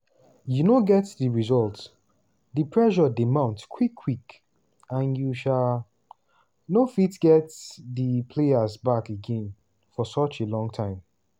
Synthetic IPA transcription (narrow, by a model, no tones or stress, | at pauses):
junoɡɛtðəɹizɔlt | ðipʰɹɛʃɔdimãʊ̃ntkʰwikʰːwik | ãnjuʃal | nofitɡ̥ɛtðipʰleazbakeɡɛ̃n | fɔsʌt͡ʃelɔ̃ŋtʰãɪ̃m